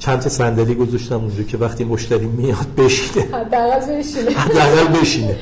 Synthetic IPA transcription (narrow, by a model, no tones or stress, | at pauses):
t͡ʃʰænt̪ʰɒsænd̪æɾiːɡozɒʃt̪æmund͡ʒɒːcʰe̞væxt̪ʰiːmoʃt̪æɾiːmijɒd̪̚be̞ʃi̥nehæd̪ːææɣælbeʃinhæd̪ːeæɣælbeʃine